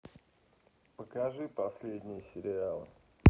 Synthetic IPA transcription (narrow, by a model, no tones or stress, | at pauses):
pəkɐʐɨpɐsʲlʲedʲnʲɪjəsʲɪɾʲɪalˠɨ̰